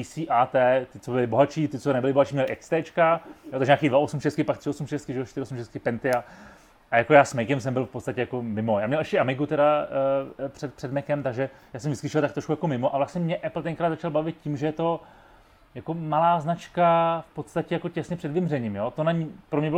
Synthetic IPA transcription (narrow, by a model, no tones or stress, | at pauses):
isiːʔaːt̪ɛːt̪ɪt͡sobɪlɪbo̞ɦat͡ʃiːt̪ɪt͡sonɛbɪlɪboɦat͡ʃiːmɲɛlɪʔɛkst̪ɛːt͡ʃkajot̪aɡʒɛɲaːkiːdvaʔosumʃɛst̪kɪpak̚t̪r̥ɪosumʃɛst̪kɪʒɛoʃt̪ɪɾɪosumʃɛst̪kɪpɛnt̪ɪa | ʔajakojaːsmɛjkɛmsɛmbɪlfpo̞t̪st̪acɛjako̞mɪmojaːmɲɛlʔɛʃcɛʔamɪɡut̪ɛda | pr̥ɛt̪pr̥ɛdmɛkɛmt̪aɡʒɛjaːsɛmvɪskɪʃɪlt̪akt̪ɾoʃkujakomɪmoʔavlast̪ɲɛmɲɛʔɛpl̩t̪ɛŋkɾaːd̪zat͡ʃalbavɪt̪̚cimʒɛjɛt̪o̞ | jako̞malaːznat͡ʃkafpot̪st̪acɛjakocɛsɲɛpr̥ɛdvɪmrɛɲimjot̪onaɲipɾo̞mɲɛbɪl